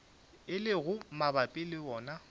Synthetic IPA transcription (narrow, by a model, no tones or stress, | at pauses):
ɪlɪɣʊmabapʼɪlɪɔːna